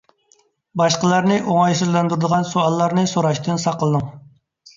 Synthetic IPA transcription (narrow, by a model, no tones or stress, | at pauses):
bɑʃqəlˠɑɾnɨʔoŋɑjsɨzlˠɛnd̪uɾd̪əʁɑnsoɑlˠːɑɾnɨsoɾɑʃt̪ʰɨnsɑqəlˠɨd̪ɨŋ